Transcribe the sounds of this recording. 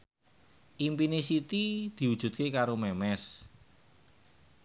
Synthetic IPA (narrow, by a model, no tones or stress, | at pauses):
ʔimpinesit̪id̪̥i̤wud̥ʒ̥ṳt̪̚kekaɾomɛmɛs